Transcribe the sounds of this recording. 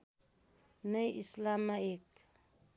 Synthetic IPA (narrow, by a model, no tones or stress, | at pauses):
najislamaek̚